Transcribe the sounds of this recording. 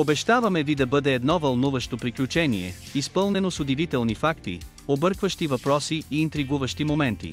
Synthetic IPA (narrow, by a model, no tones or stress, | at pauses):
obɛʃt̪avɐmɛvid̪ɐbɤd̪ɛːd̪nɔvɐlˠnuvɐʃt̪opɾiklʲut͡ʃɛniɛ̰ispɤlˠnɛnosod̪ɛvit̪ɛlˠnifakt̪ḭ | obɤɾkvɐʃt̪ivɐpɾɔsiiːnt̪ɾiɡuvɐʃt̪imomɛnt̪ḭ